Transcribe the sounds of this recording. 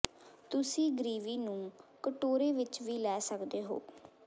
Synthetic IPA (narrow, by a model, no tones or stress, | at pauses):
t̪ʊsĩːɡəɾiːʋiːnũːkəʈoːɾeːʋɪt͡ʃʋiːlɛːsəkd̪eːɦo̰ː